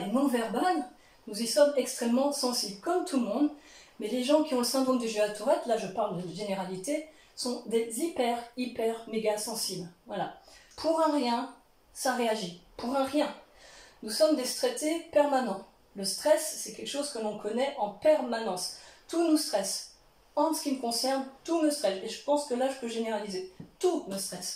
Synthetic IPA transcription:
nɔ̃vɛʁbal | nuzisɔmɛkst̪χɛmːɑ̃sɑ̃siblkɔmt̪ʰulmɔ̃d̪ | mɛleʒɑ̃kʲiɔ̃ləsɛ̃d̪ʁɔmd̪eʒøat̪ʰuʁɛt̪laʒəpaʁld̪əʒeneʁalit̪e | sɔ̃d̪ezipɛʁipɛʁmeɡasɑ̃siblvwalapʰuʁɛ̃ʁjɛ̃ | saʁeaʒipuʁɛ̃ʁjɛ̃ | nusɔmd̪est̪χet̪epɛʁmanɑ̃ | ləst̪χɛsːɛkʲɛlkə̥ʃozkəlɔ̃kɔnɛʔɑ̃pɛʁmanɑ̃st̪unust̪χɛs | ɑ̃sə̥kʲiməkɔ̃sɛʁnt̪uməst̪χɛseʒəpɑ̃skəlaʒəpøʒeneʁalizet̪uməst̪χɛs

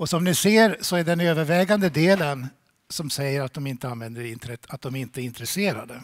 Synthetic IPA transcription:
ɔsɔmnɪseːɾsɔæɖɛnøːvəɾvɛːɡand̪əd̪eːlən | sɔmsɛjːəɾat̪̚d̪ɔmɪnt̪əanvɛnd̪əɾɪnt̪əɾɛt̪ːat̪̚d̪ɔmæɾɪnt̪əɛɾɪnt̪ɾɛseːɾa̰d̪ə

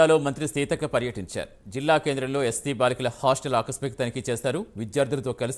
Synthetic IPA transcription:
aːlo̞ːmɐnt̪ɾisiːt̪ɐkɐpɐɾjɐʈiɲt͡ʃa̰ːɾud͡ʒilːaːke̞ːnd̪ɾɐmlo̞ːessiːbaːlikɐlɐhaːsʈɐlaːkɐspikt̪ɐnikit͡ʃeːsaːɾuːʋid̪jaːɾd̪ʱulɐt̪o̞ːkɐlus

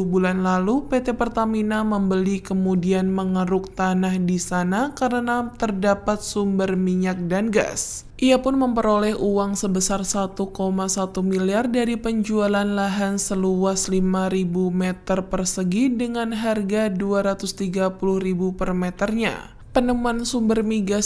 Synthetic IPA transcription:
uhbulanlalupet̪epərt̪aminaməmbəlikəmudianməŋəɾʊk̚t̪anahdisanakaɾənat̪ərdapat̪̚sumbərmiɲak̚danɡa̰s | ʔiapʊnməmpəɾolɛhuwaŋsəbəsarsat̪ukomasat̪umiliardaɾipəɲd͡ʒualanlaɦansəluaslimaɾibumɛt̪ərpərsəɡidəŋanɦarɡaduaɾat̪ʊst̪iɡapulʊhribupərmɛt̪ərɲa̰ | pənəmuansumbərmiɡa

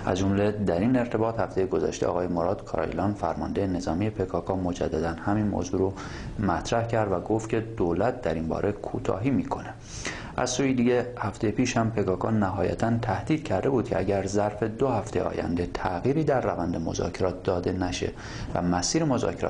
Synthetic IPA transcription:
ʔæzd͡ʒo̞mle̞d̪æɾine̞ɾt̪ʰe̞bɒːt̪hæft̪e̞jeɡo̞zæ̰ʃt̪eʔɒ̰ːɣɒːjemoɾɒːd̪kʰɒɾɒ̰jḭlɒːnfæ̰ɾmɒnd̪e̞jene̞zɒːmije̞pʰe̞kʰɒːkʰɒːmo̞d͡ʒæ̰d̪ːæd̪ænhæmiːnmo̰ːzuːɾo | mæt̪ʰɾæhcʰæɾd̪væɡoft̪cʰe̞d̪̥olæt̪̚d̪æɾinbɒ̰ːɾʔe̞kʰuːt̪ʰɒ̰ːɦiːmiːkʰo̞ne̞ | ʔæ̰z̥suːjid̪iːɟehæft̪ʰejepiːʃhæmpʰe̞kɒːkɒːnæɦɒːjæ̰t̪ʰænt̪ʰæhd̪̥iːd̪̥̚cʰæɾd̪e̞buːd̪̚cʰeʔæɟæɾzæɾfe̞d̪ohæft̪e̞jḛɒ̰ːjæ̰nd̪e̞t̪ʰæɣiːɾiːd̪æɾːævænd̪emo̞̰zɒ̰ːcʰeɾɒːt̪̚d̪ɒːd̪e̞næʃḛ | væ̰mæsiːɾemo̞zɒ̰ːcʰeɾɒ̰

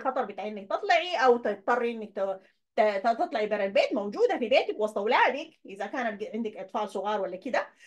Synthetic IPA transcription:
xɑt̪ˤɑɾˤbɪt̪aːʕʔɪnːak̚t̪ɨt̪ˤlɑʕiʔawt̪ɪt̪̚t̪ːˤɑrˤːiʔɪnːak̚t̪ | t̪t̪t̪ɨt̪ˤlɑʕibaɾalbeːt̪mowd͡ʒuːd̪afibeːt̪akwɑsˤt̪ˤɑwlaːd̪ɪkʔɪðakaːnat̪̚ʕɪnd̪akʔɑt̪ˤfɑːʕsˤʊɣɑːɾˤwalːakɪd̪a

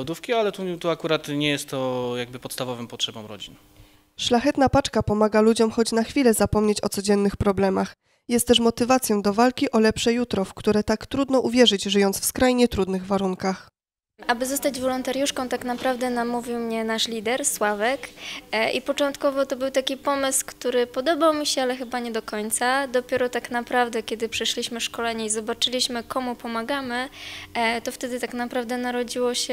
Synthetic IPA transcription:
wd̪ufkʲialɛt̪ut̪uakuɾat̪ɲɛjɛst̪ːɔjaɡ̚bɘpɔt̪st̪avɔvɘmpɔtʂɛbɔmɾɔ̰d͡ʑin | ʂlaxɛt̪napat͡ʂkapɔmaɡalud͡ʑɔmxɔd͡ʑnaxfʲilɛzapɔmɲet͡ɕɔt̪sɔd͡ʑɛnːɘxpɾɔblɛmax | jɛst̪ɛʂmɔt̪ɘvat̪sjɔ̃w̃d̪ɔvalkʲiʔɔlɛpʂɛjut̪ɾɔfkt̪uɾɛt̪akt̪ɾud̪nɔʔuvʲjɛʐɘd͡ʑʐɘjɔnt̪sfskɾajɲɛt̪ɾud̪nɘɣvaɾuŋkax | ʔabɘzɔst̪ad͡ʑvɔlɔnt̪aɾʲjuʂkɔ̃w̃t̪aknapɾavd̪ɛnamuvʲiwmɲɛnaʂlʲid̪ɛɾswavɛkʔḭpɔt͡ʂɔ̃nt̪kɔvɔt̪ɔbɘwt̪akʲipɔmɘskt̪uɾɘpɔd̪ɔbawmʲiɕɛalɛxɘbaɲɛd̪ɔkɔɲt̪sad̪ɔpʲjɛɾɔt̪aknapɾavd̪ɛkʲɛd̪ɘpʂɛɕlʲiɕmɘʂkɔlɛɲɛizɔbat͡ʂɘlʲiɕmɘkɔmupɔmaɡamɘ | t̪ɔft̪ɛd̪ɘt̪aknapɾavd̪ɛnaɾɔd͡ʑiwɔɕɛ

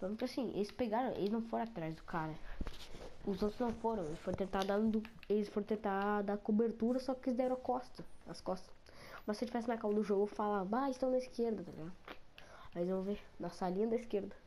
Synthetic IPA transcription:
poemkasĩʔḛlɪspeɡaɾɐ̃w̃ʔḛlɪznɐ̃w̃foɾɐ̃at̪ɾajzd̪ʊkʰaɾɐ | ʊzot̪ɾʊznɐ̃w̃foɾɐ̃w̃elɪsfoɾ̃t̪ẽnt̪ad̪ɐ̃d̪ʊ | elɪsfoɾɐ̃t̪ẽnt̪ad̪akobeɾt̪uɾɐsɔkɪɪzd̪ɛɾɐ̃akɔst̪ɐɐskɔst̪ɐ | mɐsewt͡ʃivɛsɪnɐkaw̃ɐd̪ʊʒoɡʊfalaaelɪst̪ɐ̃w̃nɐiskeɾd̪ɐt̪alḭɡad̪ʊaelɪzvɐ̃mʊvenɐsalĩɲɐd̪ɐiskeɾd̪ɐ

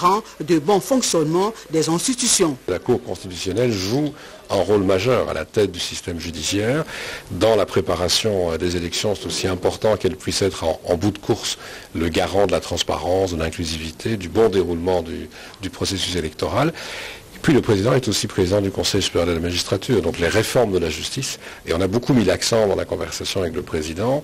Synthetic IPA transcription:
ɑ̃d̪əbɔ̃fɔ̃ksjɔnmɑ̃d̪ɛzɛ̃st̪it̪ysjɔ̃lakuʁkɔ̃st̪it̪ysjɔnɛlʒu | ɛ̃ʁolmaʒœʁa̰lʔa̰t̪ɛt̪̚d̪ysist̪ɛmʒyd̪isjɛːʁd̪ɑ̃lapχepaʁasjɔ̃d̪ezelɛksjɔ̃sɛ̥t̪osiɛ̃pɔʁt̪ɑ̃kɛlpɥisɛt̪χɑ̃ɑ̰̃bud̪kʰuʁsləɡaʁɑ̃d̪əlat̪χɑ̃spa̰ʁɑ̃sd̪əlɛ̃klyzivit̪ʰed̪ybɔ̃d̪eʁulmɑ̃d̪y | d̪ypχɔsesyselɛkt̪ɔʁal | pɥiləpχezid̪ɑ̃ɛt̪osipχezid̪ɑ̃d̪ykɔ̃sɛjspeald̪əlamaʒist̪χat̪ʰyːʁd̪ɔ̃kleʁefɔʁmd̪əlaʒyst̪is | eɔ̃nabokumilaksɑ̃d̪ɑ̃lakɔ̃vɛʁsasjɔ̃avɛkləpχezid̪ɑ̃

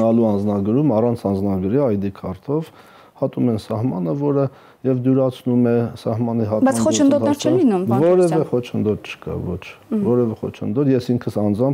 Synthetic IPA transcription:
ɑluɑnd͡znɑɡəɾumɑrɑnt͡sʰɑnd͡znɑɡəɾiɑjd̪ikʰɑrt̪ʰɔv | hɑt̪umɛnsɑɦmɑnəvɔɾə | jɛvd̪uɾɑt͡sʰnumɛsɑhmɑniɦɑt̪ɑt͡sχɔt͡ʃʰənd̪ɔt̪nɛɾt͡ʃʰɛmlinumvɔɾɛvɛχɔt͡ʃʰənd̪ɔt̪t͡ʃʰə̥kɑ̰vɔt͡ʃʰvɔɾɛvɛχɔ̰t͡ʃʰənd̪ɔt̪jɛsiŋkʰəsɑnd͡zɑm

